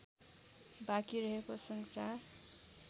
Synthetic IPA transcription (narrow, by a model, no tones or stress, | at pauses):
bakiɾʌɦekosʌŋsar